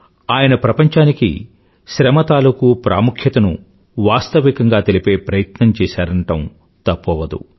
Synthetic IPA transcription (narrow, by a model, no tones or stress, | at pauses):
aːjɐnɐpɾɐpɐɲt͡ʃaːnikḭ | ʃɾɐmɐt̪aːlukupɾʔa̰ːmukʰjɐt̪ɐnṵ | ʋaːst̪ɐʋikɐŋɡaːt̪e̞lipe̞ːpɾɐjɐt̪nɐmt͡ʃɛːʃaːɾɐɳʈɐm | t̪ɐpːɔʋɐd̪ṵ